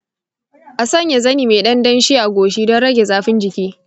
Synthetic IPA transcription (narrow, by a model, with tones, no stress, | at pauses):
ʔa˨sɐ˦ɲja˨zɐ˦niː˨meː˨ɗɐ˦ndɐ˦nʃiː˦ʔa˨ɡʷoː˨ʃ̬iː˦dɔ˦nɽɐ˦ɡʲe˨zaː˦ɸɪ˦nd͡ʒɪ˨kʲiː˦